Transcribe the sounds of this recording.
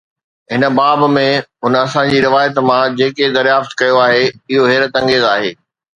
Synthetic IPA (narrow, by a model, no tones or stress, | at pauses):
ɦɪnə̆baːbmẽɦʊnəɐsãɲd͡ʑiːɾɪʋaːjət̪mãd͡ʑeːked̪ɐɾjaːft̪kɐjoaːɦeɪɦoɦeːɾət̪ɐ̃ŋɡeːzaːɦeː